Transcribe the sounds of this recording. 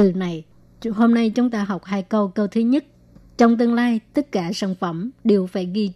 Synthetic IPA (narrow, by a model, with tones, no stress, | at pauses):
ɨ˨˩na˨˩j | ho˧mna˧jt͡ɕʊ˨˦ŋ͡mt̪aː˧ɦɔ˨˩wk͡p̚haː˧jkə˧wkə˧wt̪ʰɨ˨˦ɲə˦˥t̚ | t͡ɕɔ˧wŋ͡mt̪ɨ˧əŋlaː˧jt̪ə˦˥t̚kaː˧˩saː˧˩nfə˧˩mɗe˨˩wfaː˧˩jɣi˧